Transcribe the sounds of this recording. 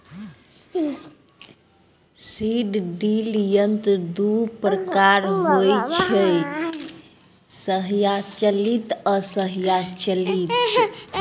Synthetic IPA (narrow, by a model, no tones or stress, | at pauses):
siɖɖiljənt̪d̪upɾəkaɾɦojt͡ʃʰə | səɦjat͡ʃəlit̪əsəɦjat͡ʃəlit̪